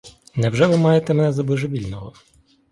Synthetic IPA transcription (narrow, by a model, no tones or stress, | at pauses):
nɛwʒɛʋɪmɑjet̪ɛmenɛzɐbɪʒeʋʲilʲnɔɦɔ